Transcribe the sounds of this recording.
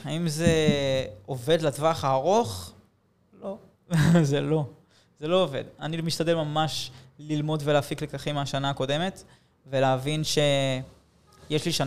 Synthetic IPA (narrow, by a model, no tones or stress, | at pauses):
aimze̞ | ove̞dlatvaχaːʁo̞χ | lo̞ | zelo̞ | zelo̞ove̞̰d̪animiʃt̪ade̞lmamaʃlilmo̞dvelaːfiklekaχimaʃanaːko̞de̞me̞t | veleavinʃe̞ | jeʃliʃan